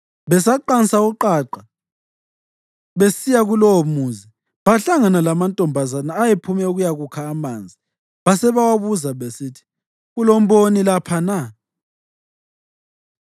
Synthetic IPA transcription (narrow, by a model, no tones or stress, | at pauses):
βɛsaǃansauǃaǃa | βesijaɣulɔomuːzi | βaɬaŋanalamantʼɔmbʱazanaːjepʰumɛuɣujaɣukʰaːmaːnd͡zʱi | βasɛβawaβuzaβesitʰi̥ | ɣulɔmbonilapʰana